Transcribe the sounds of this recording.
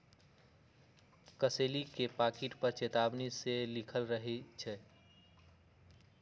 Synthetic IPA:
kəselikepakiʈpəɾt͡ʃet̪abniselikʰəlɾəɦɛt͡ʃʰɛ

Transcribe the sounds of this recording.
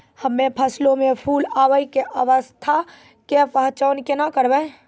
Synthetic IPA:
həmːẽpʰəslõmẽpʰuːlaːwəikeʔəʋəst̪ʰa | kepəɦt͡ʃəːnkenakəɾbɛ

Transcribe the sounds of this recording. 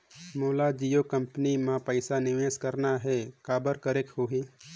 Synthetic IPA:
moːlad͡ʒijokə̃mpənimãpəɪsanɪʋeːskəɾnaɦɛkaːbəɾkəɾekhoːɦiː

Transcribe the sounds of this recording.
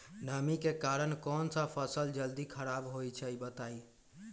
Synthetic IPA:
nəmikekaɾənkɔnsə̃pʰəsəld͡ʒəld̪ikʰəɾabɦojt͡ʃʰɛjbət̪ai

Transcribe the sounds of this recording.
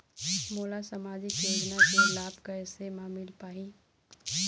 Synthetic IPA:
moːlasamaːd͡ʒikjoːd͡ʒnakelaːbkaɛsemãmɪlpaːĩ

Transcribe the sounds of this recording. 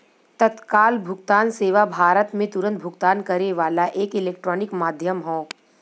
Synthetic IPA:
t̪ɐt̪kaːlbʱʊɡt̪aːnseːʋabʱaːɾət̪mẽt̪ʊɾə̃nt̪̚bʱʊɡt̪aːnkɐɾeʋaːlaʔeːkɪleːk̚ʈɾɔːnɪkmaːd̪ʱjəmɦõː

